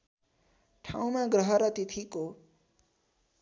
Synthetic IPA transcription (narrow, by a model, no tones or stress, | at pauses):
ʈʰa̰w̃maɡrʌɦʌɾʌt̪et̪ʰiko